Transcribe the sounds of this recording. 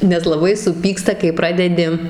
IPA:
nʲɛs lˠɐˈbɐɪ sʊˈpʲiːkstɐ kɐɪ ˈprɑːdʲɛdʲɪ

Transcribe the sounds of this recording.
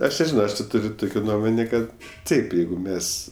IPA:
ˈɐʃ nʲɛˈʒʲɪnoː ˈɐʃ tʲɪ ˈtʊrʲ ˈtʊkʲoː ˈnuɔmoːnʲeː ˈkɐt ˈtɐɪp ˈjɛɪɡʊ ˈmʲɛs

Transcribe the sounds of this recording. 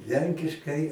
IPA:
ˈlʲɛŋʲkʲɪʃkɐɪ

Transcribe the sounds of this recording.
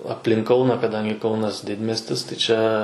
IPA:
ɐpʲˈlʲɪŋk ˈkɐʊnɐ kɐˈdɐŋʲɡʲɪ ˈkɐʊnɐs ˈdʲɪdʲmʲiɛsʲtʲɪs tʲɪ ˈt͡ʃʲɛ

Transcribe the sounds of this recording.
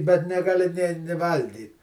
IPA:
bʲɛt nʲɛɡɐˈlʲɪ nʲeː nʲɪ ˈʋɐlʲɡʲiːt

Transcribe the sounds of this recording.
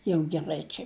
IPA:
jɛʊ ɡʲɛˈrɐɪ ˈt͡ʃʲɛ

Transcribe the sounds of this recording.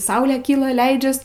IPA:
ˈsɐʊlʲeː ˈkʲiːlˠɐ ˈlʲɛɪd͡ʒʲɛs

